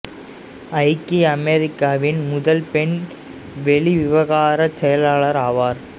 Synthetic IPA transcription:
ɐɪkːiɐmɛɾɪkːaːʋɪnmʊðɐlpɛɳ | ʋɛɭiʋɪʋɐɣaːɾɐsɛjɐlaːɭɐɾaːʋaːɾ

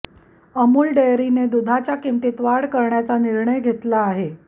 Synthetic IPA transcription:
əmuːlɖejɾined̪ud̪ʱat͡ɕjakimt̪it̪ʋaɽkəɾɳjat͡saniɾɳəjɡʱet̪laːɦe

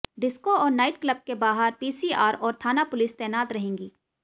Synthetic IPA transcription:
ɖɪskoɔːɾnaːɪʈkləb̚kebaːɦəɾpiːsiːaːɾɔːɾt̪ʰaːnapʊlɪst̪ɛːnaːt̪ɾɐɦẽːŋɡiː

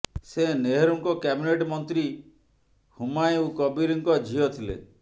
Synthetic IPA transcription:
seneɦeɾuŋkɔkɛbineʈmɔnt̪ɾi | humajukɔbiɾiŋkɔd͡ʒʱiɔt̪ʰilḛ

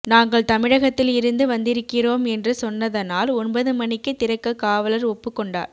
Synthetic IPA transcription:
naːŋɡɐɭt̪ɐmɪɻɐɣɐt̪ːɪlɪɾɯnd̪ɯʋɐnd̪ɪɾɯkːɪroːmɛndrɯsɔnːɐðɐnaːlɔnbɐðɯmɐnɪkːɯt̪ːɪɾɐkːɐkːaːʋɐlɐɾɔpːɯkːɔɳɖa̰ː

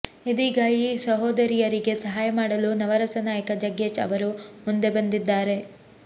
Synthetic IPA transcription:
id̪iːɡaːjisɐɦoːd̪ɐɾijɐɾiɡe̞sɐɦaːjɐmaːɽɐlunɐʋɐɾɐsɐnaːjɐkɐd͡ʒɐɡet͡ʃɐ̰ʋɐɾumund̪e̞bɐnd̪id̪ːaːɾe̞

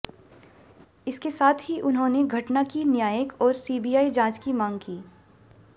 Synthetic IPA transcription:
ɪskesaːt̪ʰɦiʔʊnɦõːneɡʱɐʈnakinjaːjəkɔːɾsiːbijaːid͡ʒãːt͡ʃkimãːŋɡ̚kiː

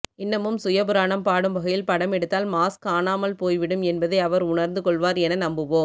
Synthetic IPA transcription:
ɪnːɐmɯmsʊjɐbɯɾaːɳɐmpaːɽɯmʋɐɣɐjɪlpɐɽɐmɛɽɯt̪ːaːlmaːskaːnaːmɐlpoːjʋɪɽɯmɛnbɐðɐɪɐʋɐɾʊɳɐɾnd̪ɯkɔɭʋaːɾɛnɐnɐmbɯʋoː

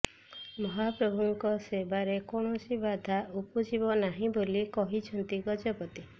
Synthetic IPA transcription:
mɔɦapɾɔbʱuŋkɔsebaɾekɔɽ̃ɔsibad̪ʱaupɔd͡ʒibɔnaɦĩbolikɔɦit͡ʃʰɔnt̪iɡɔd͡ʒɔpɔt̪i

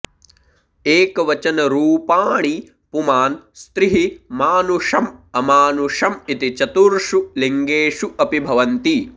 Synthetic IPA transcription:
eːkɐʋɐt͡ʃɐnɐɾuːpaːɳi | pumaːnst̪ɾiɦimaːnuʂɐmɐmaːnuʂɐmit̪it͡ʃɐt̪uɾʂuliŋɡeːʂuʔɐpibʱɐʋɐnt̪i

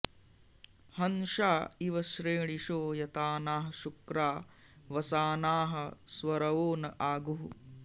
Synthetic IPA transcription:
hɐnʃaːiʋɐʃɾeːɳiʂoːjɐt̪aːnaːɦɐʃukɾaː | ʋɐsaːnaːɦɐsʋɐɾɐʋoːnɐʔaːɡuɦu

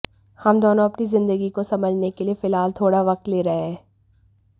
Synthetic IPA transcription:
hɐmd̪oːnõɐpnizɪ̃nd̪əɡikosɐməd͡ʒʱnekeliefɪlɦaːlt̪ʰoːɽaʋɐq̚t̪leːɾɐɦeɦɛː

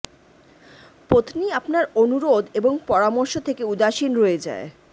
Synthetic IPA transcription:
pot̪niapnaɾonuɾod̪eboŋpɔɾamoɾʃot̪ʰekeud̪aʃinɾoed͡ʑa̰e

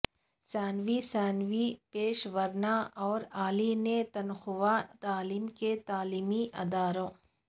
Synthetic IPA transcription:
sɛːnʋisɛːnʋipeːʃʋɐɾnaʔɔːɾaːlinẽt̪ɐnxʊʋat̪aːliːmket̪aːliːmiʔɐ̰d̪aːɾõː

